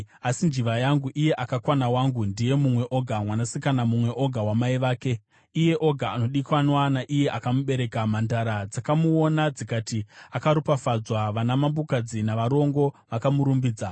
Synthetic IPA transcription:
asind͡ʒiʋajaŋɡuʔije̞ʔakakwanawaŋɡundije̞mumwe̞ʔo̞ɡʱamwanasikanamumwe̞ʔo̞ɡʱawamaiʋaːke̞ | ije̞ʔo̞ɡʱaːno̞ɗikwanwanaʔije̞ʔakamuɓe̞ɾe̞kamandaɾad͡zakamuo̞nad͡zikatiakaɾupafad͡zwaʋanamambukad͡zinaʋaɾo̞ŋɡo̞ʋakamuɾumbiːd͡za

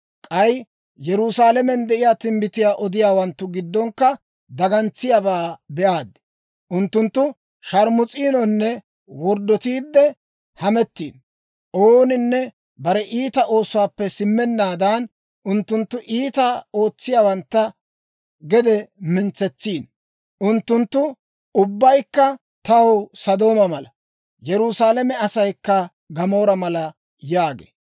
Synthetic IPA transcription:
kʼɐj | jɛɾʊsaːlɛmɛnd̪ɛʔɪjaːt̪ɪmbɪt̪ɪjaːʔɔd̪ɪjaːwɐnt̪ːʊɡɪd̪ːɔŋkːɐ | d̪ɐɡɐnt͡sːɪjabaːbɛʔaːd̪ | ʔʊnt̪ːʊnt̪ːʊ | ʃɐɾmʊt͡sʼiːnɔnːɛ | wɔɾd̪ːɔt̪iːd̪ːɛ | hɐmɛt̪ːḭːn | ʔoːnɪnːɛ | bɐɾɛʔiːt̪ɐʔo̞ːsʊwaːpːɛsɪmːɛnːaːd̪aːn | ʔʊnt̪ːʊnt̪ːʊʔiːt̪ɐo̞ːt͡sːɪjaːwɐnt̪ːɐ | ɡɛd̪ɛmɪnt͡sːɛt͡sːiːn | ʔʊnt̪ːʊnt̪ːʊ | ʊbːɐjkːɐ | t̪ɐwsɐd̪o̞ːmɐmɐlɐ | jɛɾʊsaːlɛmɛɐsɐjkːɐ | ɡɐmo̞ːɾɐmɐlɐ | jaːɡḛː

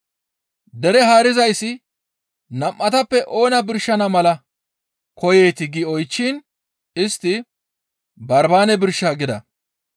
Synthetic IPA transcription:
d̪ɛɾɛɦaːɾɪzɐjsːɪ | nɐmʔːɐt̪ɐpːɛʔo̞ːnɐbɪɾʃːɐnɐmɐlɐ | kɔje̞ːt̪ɪɡɪɔjt͡ʃːin | ɪst̪ːɪ | bɐɾbaːnɛbɪɾʃːaːɡɪd̪ɐ̰

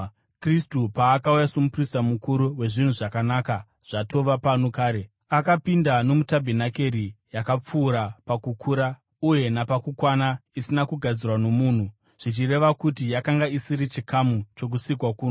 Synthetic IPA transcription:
kristupaːkaujasomuprisamukuɾuwe̞ʐin̤uʐakanaːka | ʐ̥ato̞ʋapanokaːɾe | akapindano̞mutabʱenake̞ɾijakap͡fuːɾapakukʰuːɾa | uje̞napakukwanaisinakuɡʱad͡zirwano̞muːn̤u | ʐ̥it͡ʃire̞ʋakutijakaŋɡaisiɾit͡ʃikamut͡ʃo̞k̬usikwakuːna

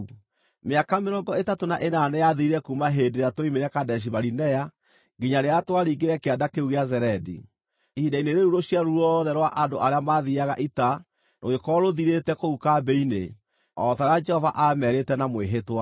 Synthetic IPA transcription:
meakameɾɔːɡɔetatonaʔenanɛjaðiiɾɛkumaɦedeɾatwoimeɾɛkadɛʃ̬iβaɾinɛja | ɡeɲaɾeatwaɾiːɡeɾɛkeadakeuɣeazɛɾɛdḭ | ihidaineɾeuɾoɕiaɾuɾɔðɛɾwaʔandoʔaɾeamaðiaɣaʔita | noɣekɔɾoðiɾetɛkoukabɛine | ɔðaɾad͡ʒɛhɔvaʔamɛɾetɛnamweɦetwa

